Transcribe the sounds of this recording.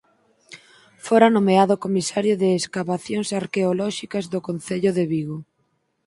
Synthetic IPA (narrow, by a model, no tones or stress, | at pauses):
foɾanomeaðʊkomisaɾjʊðɪːskaβaθjoŋsaɾkeolɔʃikɐzðʊkon̟θeʎʊðeβiɣo